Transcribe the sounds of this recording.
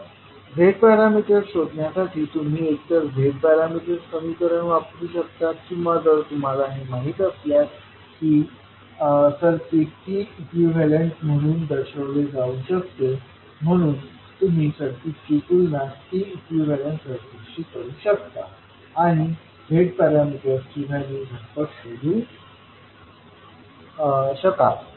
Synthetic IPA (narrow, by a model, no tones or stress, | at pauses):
ʋʱeʈ̚paɾamiʈəɾɕod̪ɳjasaʈʰiːt̪um̤iːek̚t̪əɾʋʱeʈ̚baɾamiʈəɾskəmiːkəɾəɳʋapɾuːɕəkt̪at̪kiːməd̪əɾt̪um̤alaɦem̤aɦiːt̪əsljat̪ | kiː | səɾpitiikʋiʋʋɛleɳsm̤əɽ̃uːnd̪əɾɕəʋled͡zauːɕəkt̪e | m̤əɽ̃uːn | t̪um̤iːsəɾt̪it͡ɕikulnast̪iːikjuʋɛlanʈsəɾt̪ekɕiːkəũːɕək̚t̪aː | ɽ̃i | bʱeʈ̚t̪əɾjaməd̪jastinad͡ʑeɡʱəɾpəɾsoɾu | ɕəka̰